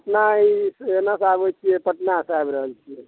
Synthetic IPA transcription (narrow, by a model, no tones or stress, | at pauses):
əʈnaisnasabət͡ʃʰijɛpəʈnasabɾəɦəlt͡ʃʰiɛ